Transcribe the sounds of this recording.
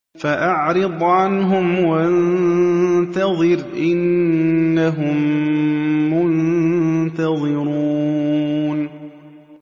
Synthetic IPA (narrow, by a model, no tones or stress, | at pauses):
faʔɑʕɾɨd̪ˤʕanɦʊmwan | t̪ɑðˤɨɾʔɪnː | aɦʊmː | ʊn | t̪aðˤɨɾuː | n